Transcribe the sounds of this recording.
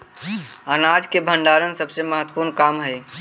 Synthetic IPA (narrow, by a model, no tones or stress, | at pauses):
ənad͡ʒkebʱəɳɖaɾənsəbseməɦət̪ːpuɾnkamɦəj